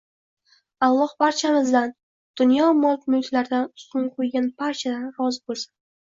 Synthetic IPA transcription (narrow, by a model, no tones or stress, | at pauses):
alˠːɒhbaɾt͡ʃʰamɪzd̪an | d̪̥ʊnjɒmɒlˠt̪mʊjt̪ʰlaɾd̪anʊst̪ʊnqʰojɡʲanpʰaɾt͡ʃʰad̪anɾɒzbolˠsḁn